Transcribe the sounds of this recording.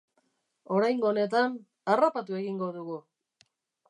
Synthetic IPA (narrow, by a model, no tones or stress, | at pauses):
o̞ɾajŋɡoːne̞t̪an | arapat̪ue̞ɣiŋɡo̞ðuɣu